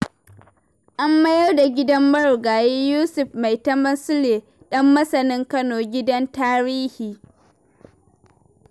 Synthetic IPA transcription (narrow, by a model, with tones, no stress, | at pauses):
ʔa˦mːɐ˦jɐ˦rda˨ɡʲɪ˦dɐ˦mːɐ˦ɽɡaː˨je˦juː˦sʊ˨ɸma˨jtɐ˦mɐ˦nsʊ˦leː˨ | ɗɐ˦mːɐ˦sɐ˨nɪ˦ŋkɐ˦noː˨ɡʲɪ˦dɐ˦ntaː˦ɾiː˦hiː˨